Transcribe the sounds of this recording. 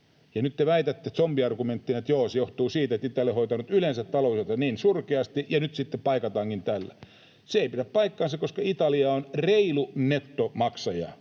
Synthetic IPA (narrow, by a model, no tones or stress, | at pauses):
jɑnyt̪teʋæit̪æt̪ːet̪sompiɑrɡument̪ːinet̪joːsejoht̪uːsiːt̪et̪ːit̪ːˑælehoit̪ɑnut̪ylensæt̪t̪ɑloˑuset̪ɑniːnsurkeɑst̪ijɑnyt̪sit̪ːeppɑikɑt̪ɑːŋkint̪ælːæ̰ | seeˑipiɾæppɑikːɑːnsɑkoskɑit̪ɑliɑonreilunet̪ːomɑksɑjɑ̰